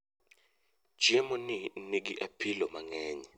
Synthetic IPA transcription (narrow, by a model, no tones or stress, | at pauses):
d͡ʒ̥iɛmɔninik̬iʔapʰilɔmaŋɛːɲɛ